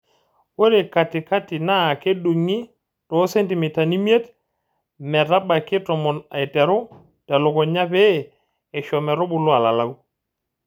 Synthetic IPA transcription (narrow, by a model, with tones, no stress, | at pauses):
wo˦ɾe˨ka˨tɪ˨ka˦tɪ˨na˦˨ke˦du˨ŋi˦ | tɔ˨˦se˦nti˨mɪ˨ta˨ni˦mje˦t | mɛ˨ɾa˦ba˨kɪ˦tɔ˨mɔ˨na˨i˨tɛ˨ɾʊ˦ | ta˨lʊ˨kɔ˨ɲa˦peː˦˨ | ʃɔ˨mɛ˨ɾo˦bʊ˦lʊ˦a˨la˨la˦u˦